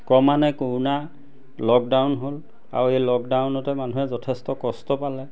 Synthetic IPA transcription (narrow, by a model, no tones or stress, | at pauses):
kɔmanɛkuɹna | lɔk̚dawnɦol | a̰ɹuejlɔk̚dawnɔtɛmanuɦɛzɔtʰɛstɔkɔstɔpalɛ